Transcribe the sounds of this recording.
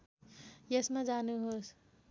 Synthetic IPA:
jɐsmẽd͡ʒaːnuɦos

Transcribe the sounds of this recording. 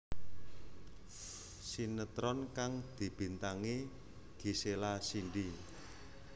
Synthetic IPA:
sinət̪ɾɔnkaŋd̪̥i̤b̥i̤nt̪aŋe | ɡ̥iselasiɳɖi

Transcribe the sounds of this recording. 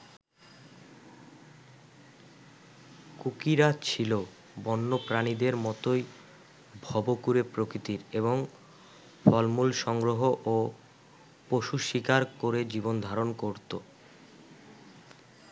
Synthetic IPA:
kukiɾat͡ɕʰilo | bɔnːopɾanid̪eɾmɔt̪oj | bʱɔbokuɾepɾokɾit̪iɾeβoŋ | fʰɔlmulʃɔŋɡɾoɦoʔo | poʃuʃikaɾkoɾed͡ʑibond̪ʱaɾonkoɾt̪o

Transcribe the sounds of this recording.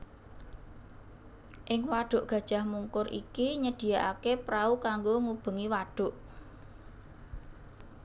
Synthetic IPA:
ʔɪŋwaɖ̥ʊ̤ʔɡ̥ä̤d̥ʒ̥ä̤hmuŋkʊɾʔḭkiɲəɖ̥i̤jaʔa̰kepɾaukaŋɡoŋub̥ə̤ŋiwaɖ̥ʊ̤ʔ

